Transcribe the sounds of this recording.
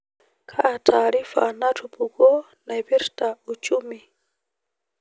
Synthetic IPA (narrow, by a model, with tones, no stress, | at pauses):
kʰa˦˨tʰaːɾi˦fa̰˨na˦tʰu˨pu˨kɔ˦ | na˨i˨pi˦ɾta˨u˨t͡ʃu˦mi˨